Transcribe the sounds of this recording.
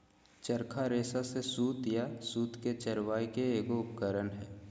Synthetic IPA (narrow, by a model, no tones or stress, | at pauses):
t͡ʃəɾkʰaɾeːsasesuːt̪jasuːt̪ket͡ʃəɾʋaːikeeːɡoʊpkəɾənɦɛː